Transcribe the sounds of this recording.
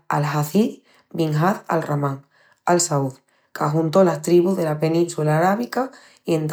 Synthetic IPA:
a̰lɦaθi | biŋɦaða̰lramãŋ | alsauð | kaɦunt̪o̞last̪ɾiβuɦðe̞lape̞nĩnswelaːɾaβ̞ika | ient̪

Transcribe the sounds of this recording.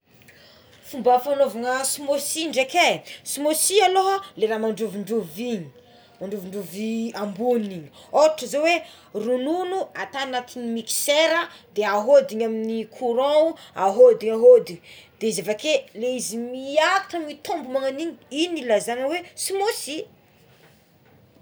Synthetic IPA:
fumbafanovaŋəsimosiɳɖ͡ʐekesimosialoleɾamaɳɖ͡ʐuviɳɖ͡ʐuviɲi | maɳɖ͡ʐuviɳɖ͡ʐuviambuniniɲoʈ͡ʂəzowe | rununuat̪anat̪inimiki̥seɾəd̪eaɦod̪iɲaminikʰuɾõuaɦod̪iɲaɦod̪id̪̥eizavakeleizimiakḁʈ͡ʂəmit̪ombumaŋaniɲinilazaŋəwesimosi

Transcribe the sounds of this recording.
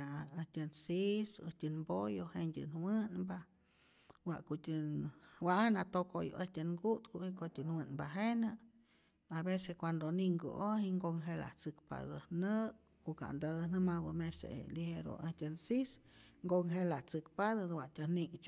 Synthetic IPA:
aəhtʲɨnsisə̰htʲɨnbojohendʲɨ̰nwɨnba | waʔkoʔt̪ʲɨwaʔanat̪okojo̰ʔehtʲɨnɡut̪kuʔikot̪ʲɨnwɨnbaɦenɨ | abeseskʷand̪oniŋɡo̰ohiŋɡoŋɦela̰ht͡sɨkpa̰d̪ɨnɨ | koʔka̰ʔnd̪ad̪nɨmabɨmesḛliheɾo̰ehtʲɨnsisŋɡoŋɦelaht͡sɨkpad̪ɨd̪waʔt̪ʲɨnikt͡ʃ

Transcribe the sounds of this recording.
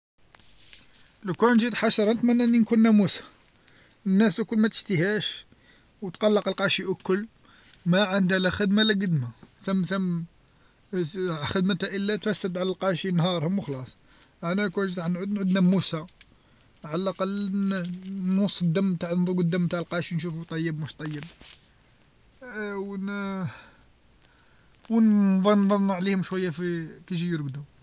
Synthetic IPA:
ləkunʒid̪ħaʃɾˤɑnət̪mənːæʔnːinkunːæmusḁ | nːæskʊlːmæt̪ə̥ʃt̪əhæʃ | wət̪qɑlːɑqəlqɑʃiʔʊkːʊlː | mæʕənd̪ælæxəd̪maləɡəd̪maθæmːt̪æm | xəd̪mət̪æʔəlːæt̪fæsːət̪ʕalælqɑʃinɦɑɾˤhʊmwxlɑsˤ | ʔænækuʒˤɑħnʕud̪nʕud̪næmːusa | ʕalælʔɑqɑlː | nwɑsˤːəd̪ːæmːt̪aʕnd̪ˤuɡəd̪ːæmːt̪aʕəlqɑʃinʃufut̪ˤɑjːəbmuʃt̪ˤɑjːəb̚ | wn | wnðˤɑnðˤɑnːɑʕlihʊmʃwæjːafikiʃ̬ijəɾɡd̪u

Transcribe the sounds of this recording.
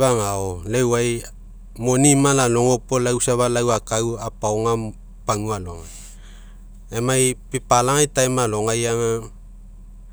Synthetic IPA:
βaŋaolewaj | mo̞nimalalo̞ŋo̞polawsaβalawakawapaoŋa | paŋualo̞ŋa | emajpipalaŋajtajmalo̞ŋajaŋa

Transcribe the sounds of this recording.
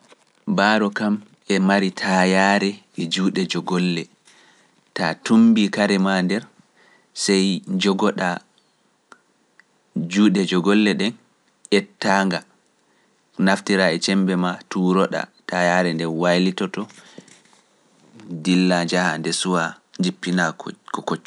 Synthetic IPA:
baɾɔkam | ɛmaɾitʰajaɾɛ | ɛd͡ʒuːɗɛd͡ʒɔɡɔlːɛ | tatumbikaɾɛmandɛɾ | sɛjd͡ʒɔɡɔɗa | d͡ʒuːɗɛd͡ʒɔɡɔlːɛɗɛn | ʔɛtːaŋɡa | naftiɾaɛt͡ʃɛmbɛmatuɾɔɗa̰tajaɾɛndɛwajlitɔtɔ | dilːad͡ʒahandɛsuwa | ɲd͡ʒipːinakɔkot͡ʃː

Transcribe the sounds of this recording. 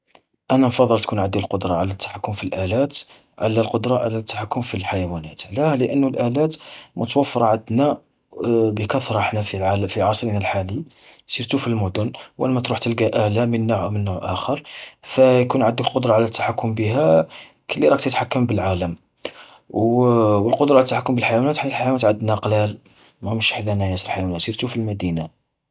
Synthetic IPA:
ʔænænfɑd̪ˤːəlt̪kunʕad̪ːilqod̪ɾˤɑʕalæt̪ːḁħakːʊmfilʔælæt̪ | ʕa̰lælqod̪ɾˤɑʕa̰læt̪ːḁħakːʊmfilħajæwænæt̪ʕlæhləʔənːulʔælæt̪mʊt̪wəfːɑɾˤɑʕad̪næ | bəkæθɾˤʔəħnæfiʕalfiʕɑsˤɾinælħalisiɾt̪ufilmʊd̪ʊnwʔæ̰nmæt̪ɾuħt̪əlɡæʔælæmənːaʕawmənːuʕʔæ̰xəɾˤfæjkunʕad̪ːəklqod̪ɾˤɑʕlæt̪ːḁħakːʊmbiɦæ | kəlːiɾˤɑkt̪jət̪ħakːəmbəlʕaləm | wwəlqod̪ɾˤɑət̪ːaħakːʊmbəlħajwænæt̪ħaəlħajwænæt̪ʕad̪ːnæqlæl | mæmʃħd̪ænæjæsəlħajwænæt̪siɾt̪ufilmæd̪ina

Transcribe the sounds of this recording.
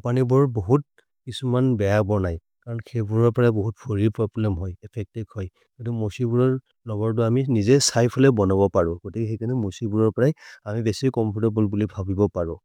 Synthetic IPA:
panibɔɹboɦut̚ | kisumanbɛjabɔɹnaj | kaɹɔnkʰebuɹɔɹpɔɹajboɦut̚pʰoɹipɹɔblɛmɦɔjɛpʰɛk̚tiɡhɔj | ɡɔtumɔsibuɹɔɹ | lɔɡɔɹt̬ʊaminizɛsajpʰɔlɛbɔnɔbɔpaɹʊ̃ɡotikɛxekʰanɛmosibuɹɔɹpɔɹajamibɛsikɔmpʰutɔbulbulibʱabibɔpaɹʊ̃

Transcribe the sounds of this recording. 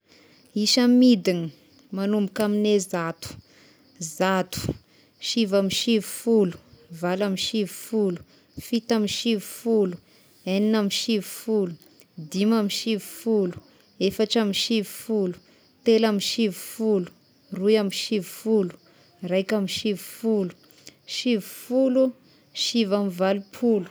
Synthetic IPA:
iʃamid̪inə | manumbukaminezat̪u̥ | zat̪u̥ | ʃivamiʃivi̥fulu̥valamiʃivi̥fulu̥ | fit̪amiʃivi̥fulu̥ | eninamiʃivi̥fulu̥ | d̪imamiʃiviu̥fulu̥ | efaʈ͡ʂamiʃivu̥fulu̥ | t̪elamiʃivi̥fulu̥ | rujamiʃivufulu̥ | rajkamiʃivu̥fulu̥ | ʃivufulu | ʃivamivalupʰulu̥

